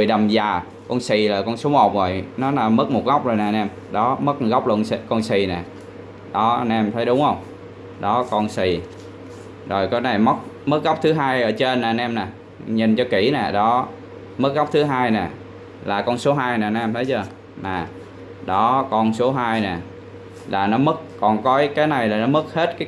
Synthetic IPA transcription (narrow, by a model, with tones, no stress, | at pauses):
mɨ˨˩jɗə˨˩mzaː˨˩ | kɔ˧nsi˨˩laː˨˩kɔ˧nso˨˦mo˨˩t̚zo˨˩jnɔ˨˦laː˨˩mə˦˥k̚mo˨˩t̚ɣa˦˥k͡p̚zo˨˩jnaː˨˩nɛ˧m | ɗɔ˨˦mə˦˥k̚ɣa˦˥wk͡p̚lə˧nskɔ˧nsi˨˩nɛ˨˩ | ɗɔ˨˦˧nʔɛ˧mt̪ʰə˨˦jɗʊ˨˦ŋ͡mhə˧wŋ͡m | ɗɔ˨˦kɔ˧nsi˨˩ | zo˨˩jkɔ˨˦na˨˩jmə˦˥t̚ | mɨ˦˥k̚ɣa˦˥wp̚t̪ʰɨ˨˦ɦaː˧jʔəː˧˩t͡ɕe˧nːaː˨˩nʔɛ˧mnɛ˨˩ | ɲi˨˩nt͡ɕɔ˧ki˧˩nɛː˨˩ɗɔ˨˦ | mɨ˦˥k̚ɣa˦˥wp̚t̪ʰɨ˨˦ɦaː˧jnɛː˨˩ | laː˨˩kɔ˧nso˨˦ɦaː˧jnɛː˨˩n˨˧ɛ˧mt̪ʰjt͡ɕəː˧ | naː˨˩ | ɗɔ˨˦kɔ˧nso˨˦ɦaː˧jnɛ˨˩ | laː˨˩nɔ˨˦mə˦˥k̚ːɔ˨˩nkɔ˨˦jkaː˨˦jna˨˩jlaː˨˩nɔ˨˦mɨ˦˥k̚he˦˥t̚kaː˨˦